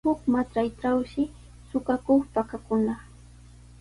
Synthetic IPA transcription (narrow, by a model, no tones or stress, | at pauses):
ʊkmat͡ʃajʈ͡ʂawʃɪ | sʊkakoχpakakʊna